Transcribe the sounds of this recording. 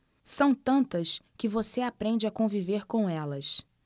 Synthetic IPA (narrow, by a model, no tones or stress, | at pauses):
sɐ̃w̃t̪ɐ̃nt̪ɐskɪvoseapɾẽnd͡ʒɪakõviveɾkõw̃ɛlɐs